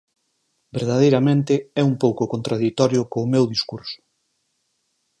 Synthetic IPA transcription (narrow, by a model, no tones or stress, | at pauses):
beɾðaðejɾamẽnt̪ɪɛumpowkokont̪ɾaðit̪ɔɾjʊkoːmewðiskuɾsʊ̥